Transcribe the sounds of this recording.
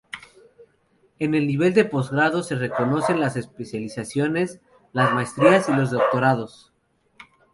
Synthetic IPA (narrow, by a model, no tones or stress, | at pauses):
e̞ne̞lniβ̞e̞ld̪e̞po̞zɣɾaðo̞se̞re̞ko̞no̞se̞nlase̞spe̞sjalisasjo̞ne̞s | lazmaest̪ɾiasilo̞zðo̞k̚t̪o̞ɾaðo̞s